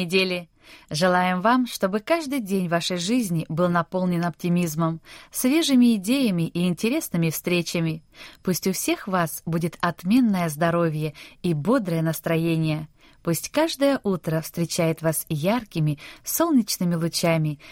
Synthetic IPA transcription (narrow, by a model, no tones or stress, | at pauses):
ɪdʲelʲɪ | ʐɨlˠajɪmvamʂt̪o̞bɨkaʐd̪ɨjdʲenʲvaʂəjʐɨzʲnʲɪbɨlˠnɐpo̞lˠnʲɪnɐptʲɪmʲizməmsvʲe̞ʐɨmʲɪːdʲejəmʲɪʔiːnʲtʲɪɾʲe̞snɨmʲɪfst̪ɾʲet͡ɕəmʲɪpusʲtʲʊfsʲe̞xvasbudʲɪt̪ɐt̪mʲe̞nːəjəzd̪ɐɾo̞vʲjəibo̞d̪ɾəjənəst̪ɾɐjenʲɪjə | pusʲtʲkaʐd̪əjəʔut̪ɾəfst̪ɾʲɪt͡ɕæjɪt̪vasjarkʲɪmʲɪso̞lˠnʲɪt͡ɕnɨmʲɪlˠʊt͡ɕamʲɪ